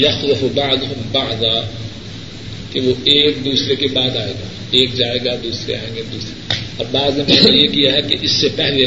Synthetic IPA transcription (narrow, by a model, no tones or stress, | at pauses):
jɐxlʊfbaʕd̪ʊɦʊmbaʕd̪a | keʋoeːk̚d̪uːsɾekebaːd̪aːḛːɡaː | eːk̚d͡ʒaːeːɡad̪uːsɾḛa̰ːẽːŋɡed̪uːsɾeɐbbaːznemɛ̃ːejekijaɦɛkeʔɪsːepɛɦle